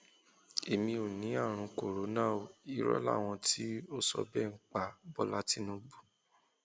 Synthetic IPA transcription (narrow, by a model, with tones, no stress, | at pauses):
e˨mĩ˧o˨nĩ˨˦a˦˨ɾ̃ũ˧ko˨ɾo˨˦nã˦˨o˨i˨ɾɔ̰˦la̰˦˨w̃ɔ̃˧ti˦o˦sɔ̰˧bɛ˦˨ŋ̩˨˦k͡pa˨bɔ˦la˦ti˦nũ˨˦bu˦˨